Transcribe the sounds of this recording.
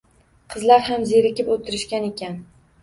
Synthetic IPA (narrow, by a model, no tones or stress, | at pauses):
qʰɨzlaɾhamzeɾɪkʲɪpot̪ʰɪɾɪʃkʲanekʲan